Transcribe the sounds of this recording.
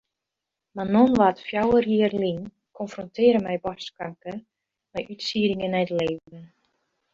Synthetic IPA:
manonʋatfjawərjiərlin | kʰɔnfrɔntɪəɾəmɛjbɔskaŋkə | mɛjʔytsiːɾɪŋənɛjtleːvdən

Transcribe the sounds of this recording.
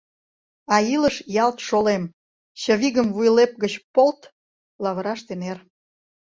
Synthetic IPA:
ɑiləʃjɑlt̪ʃolem | ɕə̆βiɣəmvujlep̚ɡət͡ɕpolt̪ | lɑβəɾɑʃt̪ener

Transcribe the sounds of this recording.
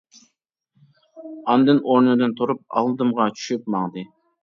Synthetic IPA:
ɑnd̪ɨnoɾnɨd̪ɨnt̪ʰuɾup̚ɑ̰lˠd̪ɨmʁɑt͡ʃʰy̥ʃyp̚mɑŋd̪ɨ

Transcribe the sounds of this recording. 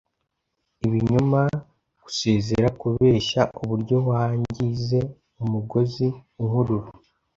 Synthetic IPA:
iβiɲuma | ɡ̥u̥se̞ːze̞ɾakuβe̞ːʃaʔuβuɾɟo̞βwaːɲɟize̞ | umuɡo̞ziuŋuɾuɾu

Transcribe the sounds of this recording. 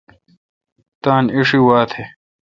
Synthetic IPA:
t̪aːniʂiwaːt̪ʰe

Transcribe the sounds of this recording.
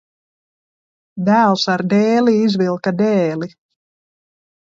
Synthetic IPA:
d̪æːlˠsaɾd̪ɛːliizvilˠkad̪ɛːli

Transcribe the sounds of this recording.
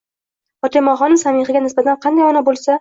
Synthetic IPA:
ɒt̪ʰemɒχɒnɪsamɪχɪɡʲanɪsbat̪ʰanqʰɑnd̪ajɒnabolˠsa

